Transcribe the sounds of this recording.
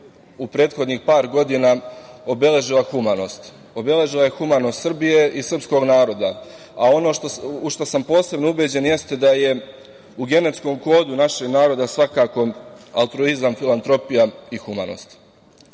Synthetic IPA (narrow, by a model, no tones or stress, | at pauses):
upɾe̞ːt̪xo̞d̪nixpaːɾɡo̞d̪inao̞be̞le̞ʒilˠaxumano̞ːst̪ | o̞be̞le̞ʒilˠaje̞xumano̞st̪sr̩bije̞ʔisr̩psko̞ɡnaːɾo̞d̪a | ao̞no̞ːʃt̪uʃt̪osampo̞ːse̞bnoubed͡ʑe̞nje̞st̪e̞d̪aje̞ | uɡe̞ne̞t̪sko̞mko̞ːd̪unaʃe̞ɡnaːɾo̞d̪asʋakaːko̞a̰lˠt̪ɾoizamfilˠant̪ɾo̞pijaixuma̰no̰ːst̪